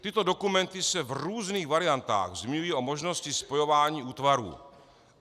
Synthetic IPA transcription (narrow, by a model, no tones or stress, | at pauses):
t̪ɪt̪o̞do̞kumɛnt̪ɪsɛvruːzniːɣvaɾɪjant̪a̰ːɣzmɪɲujiʔo̞mo̞ʒno̞scɪspo̞jo̞vaːɲiːuːt̪vaɾṵː